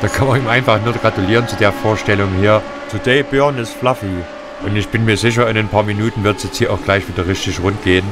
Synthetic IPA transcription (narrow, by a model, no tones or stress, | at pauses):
d̥aːkʰanmɐniːmʔaɪnfaχnuːɐɡ̥ʁatuliːʁənt͡sudeːɐfoːɐʃtɛlʊŋhiːɐ | tʰudeːb̥œɐnɪsflafi | ʔʊntɪçb̥ɪnmiːɐzɪç̬ɐɪnaɪnpʰaːɐminuːtn̩vɪɐtsjɛt͡sthiːɐʔaʊxɡ̥laɪçv̥iːdɐʁɪʃçtɪçʁʊntɡ̥eːən